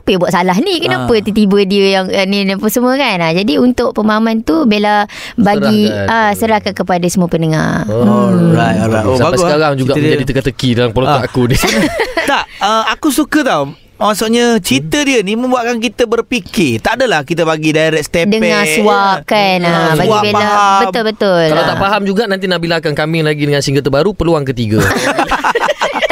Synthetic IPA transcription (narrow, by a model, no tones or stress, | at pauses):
apəjabuwatʔ̚salaɦnĩkənapət̪ut̪ibədiəjaŋnipəsəmuəkanad͡ʒadiunt̪ʊʔpəmaɦamant̪ubela | baɡiʔasəɾahkankəpadasəmuəpənəŋa̰ | ajabaɡaɾaŋd͡ʒuɡaʔd͡ʒadit̪əkat̪əkidalampəlot̪ɔakudit̪aʔəakusukət̪aw | masuʔɲat͡ʃit̪ədiənimə̃mbuaʔkank̬it̪əbərpikɪt̪aʔdalahkit̪əbaɡidajɾɛk̚st̪ɛdəpɛŋasuwakanabaɡuibepalaɦabəmʊlbət̪ʊlkalawt̪aʔpaɦamd͡ʒuɡaʔnant̪inabilakankamɪŋlaɡidəŋansiŋɡət̪əbaɾupərluaŋkət̪iɡa